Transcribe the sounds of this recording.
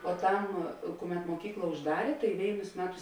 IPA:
poːˈtɐm ˈkʊˌmʲɛt moːˈkʲiːklˠɐ ʊʒˈdɑːrʲeː tɐɪ ˈʋʲeːɪnʊs ˈmʲæːˌtʊs

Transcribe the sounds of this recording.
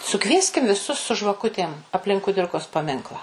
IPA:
sʊˈkʋʲiɛsʲkʲɪm ʋʲɪˈsʊs sʊ ʒʋɐˈkʊtʲeːm ɐpʲˈlʲɪŋk kʊˈdʲɪrkoːs pɐˈmʲɪŋklˠɑː

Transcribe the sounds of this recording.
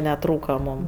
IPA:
nʲɛˈtruːkɐ ˈmuːm

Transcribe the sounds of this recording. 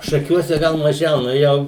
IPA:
ʃɐˈkʲuɔsʲɛ ˈɡɐlˠ mɐˈʒʲɛʊ ˈnʊ ˈjɛʊ

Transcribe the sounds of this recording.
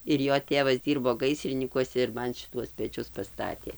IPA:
ɪr ˈjoː ˈtʲeːʋɐs ˈdʲiːrboː ˈɡɐɪsʲrʲɪnʲiːkuɔsʲɛ ɪr ˈmɐn ʃʲɪˈtuɔs pʲɛˈt͡ʃʲʊs pɐˈstɑːtʲeː

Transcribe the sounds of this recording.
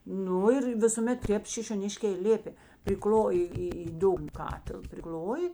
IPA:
ˈnʊ ɪr ʋʲɪsʊˈmʲɛt ˈtʲeːp ʃʲɪʃʲoːˈnʲɪʃʲkʲeː ɪ ˈlʲeːpʲeː pʲrʲɪˈklˠoːjɪ ˈiː iː ˈdʊɡnɐ ˈkɑːtʲɪlˠ pʲrʲɪˈklʲoːjɪ

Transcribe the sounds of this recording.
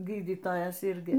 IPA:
ˈɡʲiːdʲiːtoːjɛs ˈɪrʲɡʲɪ

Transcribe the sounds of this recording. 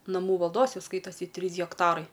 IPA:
nɐˈmuː ʋɐlˠˈdoːs ˈjɛʊ ˈskɐɪtoːsʲɪ ˈtʲrʲiːs ɣʲɛkˈtɑːrɐɪ

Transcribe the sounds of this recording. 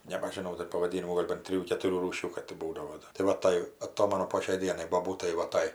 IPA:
nʲɛbɐʒʲɪˈnɐʊ ˈdɐr pɐʋɐˈdʲiːnʲɪmuː ˈɡoːlʲ bɐn ˈtʲrʲɪjuː kʲɛtʊˈrʲuː ˈruːʃʲuː ˈkɐt tʲɪ ˈbuːdɐʋoː tɐɪ ˈʋɐ ˈtɐɪ ɐˈtoːmɐnʊ poː ʃʲɛɪ ˈdʲiɛnɐɪ boːˈbuːtɐɪ ʋɐ ˈtɐɪ

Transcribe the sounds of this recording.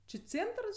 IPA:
t͡ʃʲɪ ˈt͡sʲeːntrs

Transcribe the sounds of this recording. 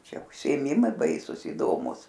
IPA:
ˈt͡ʃʲɛ ʊʃʲsʲɪeːˈmʲɪmɐɪ ˈbɐɪsʊs ɪˈdoːmʊs

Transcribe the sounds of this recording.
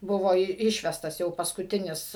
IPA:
ˈbʊʋoː ɪ ˈɪʃʲʋʲɛstɐs jɛʊ pɐskʊˈtʲɪnʲɪs

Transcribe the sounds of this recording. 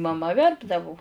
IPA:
mɐˈmɐ ˈʋʲɛrbdɐʋʊ

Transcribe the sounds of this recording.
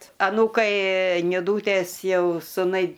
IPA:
ɐˈnuːkɐɪ nʲɪˈduːtʲeːs ˈjɛʊ sʊˈnɐɪ

